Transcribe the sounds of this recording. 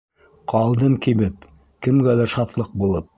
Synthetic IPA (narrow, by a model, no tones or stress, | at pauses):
qʰɑlˠd̪ɤɴkiβɘp̚ | kɘ̆mɡælæɾʃɑt̪lˠɤq̚bulˠɤp̚